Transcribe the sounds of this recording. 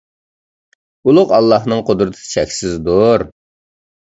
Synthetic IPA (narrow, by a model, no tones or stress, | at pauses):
ulˠʊqɑlˠːɑhnɨŋqʰod̪ɾɨt̪ʰɨ̥ɨ̥t͡ʃʰɛkʲsɪzd̪oɾ